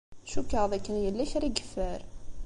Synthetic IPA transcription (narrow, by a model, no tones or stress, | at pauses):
ʃukːəʁðækːənjəlːæçɾiɡə̥fːəɾ